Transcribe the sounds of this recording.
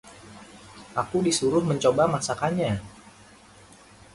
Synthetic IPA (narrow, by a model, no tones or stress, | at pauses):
ʔakudisuɾʊhməɲt͡ʃobamasakaɲa